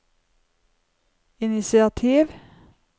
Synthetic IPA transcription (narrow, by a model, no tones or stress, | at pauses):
ɪnɪsɪɑt̪ʰiːʋ